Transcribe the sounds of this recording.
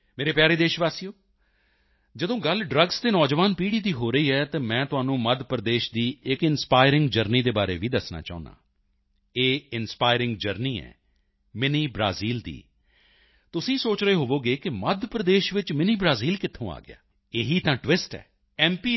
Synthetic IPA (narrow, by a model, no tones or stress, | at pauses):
meːɾeːpjaːɾeːd̪eːʃʋaːsijoː | d͡ʒəd̪õːɡəlɖɾəɡst̪eːnɔːd͡ʒʋaːnpiːɽiːd̪iːɦoːɾəiːɦɛːt̪ãːmɛ̃ːt̪ʊaːnũːməd̪ʱpɾəd̪eːʃd̪iːɪkɪnspaːɪɾɪ̃ŋɡd͡ʒəɾniːd̪eːbaːɾḛːʋiːd̪əsna̰ːt͡ʃa̰ːʊ̃nd̪ã̰ː | eːɪnspaːɪɾɪ̃ŋɡd͡ʒəɾniːɛ̰ː | mɪniːbɾa̰ːziːld̪ḭː | t̪ʊsĩːsoːt͡ʃɾəeːɦoːʋoːɡeːkɪməd̪ʱpɾəd̪eːʃʋɪt͡ʃmɪniːbɾaːziːlkɪt̪ʰːõ̰ːa̰ːɡɪ̰ja̰ː | eːɦiːt̪ãːʈʋɪsʈɛ̰ː | ɛːmpiː